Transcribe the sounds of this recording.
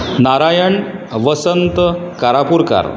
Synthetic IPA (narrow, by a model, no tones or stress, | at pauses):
naɾajəɳʋəsənt̪kaɾapuɾka̰ɾ